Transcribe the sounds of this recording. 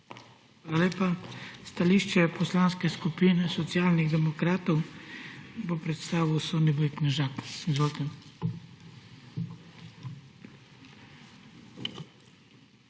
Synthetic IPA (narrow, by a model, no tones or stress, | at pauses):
xʋʋalaleːpast̪aliʃt͡ʃɛpɔslaːnskɛskupiːnɛsɔt̪sjaːlniɣd̪ɛmɔkɾaːt̪ɔw | bopɾɛt̪st̪aːʋiwsɔnibɔiknɛʒakizʋoːlt̪ɛm